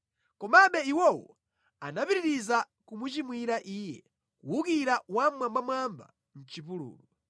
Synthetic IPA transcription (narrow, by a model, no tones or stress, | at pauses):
kɔmaɓɛiwɔwɔ̰ | anapiɾiɾiza | kumut͡ʃimwiɾaʔiːjɛ̰ | kuwukiɾawamwambamwamba̰ | n̩t͡ʃipulṵːlu